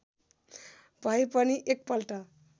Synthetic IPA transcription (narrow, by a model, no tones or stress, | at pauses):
bʱajpʌniʔek̚pʌlʈʌ